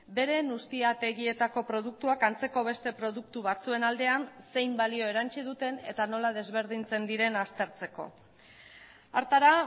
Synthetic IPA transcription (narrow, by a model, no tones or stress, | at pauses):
be̞ɾe̞nust̪iat̪e̞ɣie̞t̪ako̞pɾo̞ð̞uk̚t̪uakant͡se̞ko̞β̞e̞st̪e̞pɾo̞ðuk̚t̪uβat͡sue̞nald̪e̞anse̞jmbalio̞e̞ɾant͡ʃið̞ut̪e̞ne̞̰t̪ano̞lað̞e̞zβe̞ɾð̞int͡se̞nd̪iɾe̞nast̪e̞ɾt͡se̞ko̞̰ | aɾt̪aɾa